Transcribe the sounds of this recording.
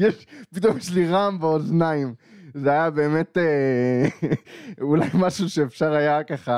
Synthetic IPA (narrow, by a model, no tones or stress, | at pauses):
jeʃpit̪omjeʃliʁambeoznaimzeajabe̞ːme̞t̪e | ula̰jmaʃuʃeːfʃaʁajakaχa